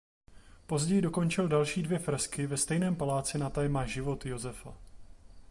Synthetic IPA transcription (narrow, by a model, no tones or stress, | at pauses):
po̞zɟɛjɪdo̞ko̞nt͡ʃɪldalʃiːdvjɛfɾɛskɪvɛst̪ɛjnɛːmpalaːt͡sɪnat̪ajɛmaʒɪvo̞t̪jo̞zɛfa̰